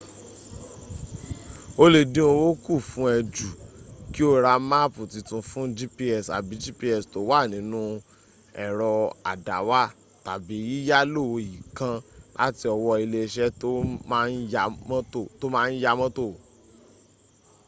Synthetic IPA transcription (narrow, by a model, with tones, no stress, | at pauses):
o˦le˧˨dĩ˦o˧wo˦ku˦˨fũ˦ɛ˧d͡ʒu˨ki˦o˦ɾa˧ma˦pu˨ti˧tũ˧fũ˦d͡ʒi˦pi˦ɛ˨sa̰˨bi˨˦d͡ʒi˦pi˦ɛ˦˨sto˨˦wa˦˨nĩ˨˦nũ˦ | ɛ˨ɾɔ˧a̰˨da˨wa˦ | ta˨bi˨˦i˦ja˦lo˦˨˧ji˨kã˧la̰˦ti˧ɔ˧wɔ˧i˧le˧ʃɛ˦to˦mã˦n̩˦ja˧mɔ̃˦to˦˨to˦mãː˦˧n̩˦ja˧mɔ̃˦to˦˨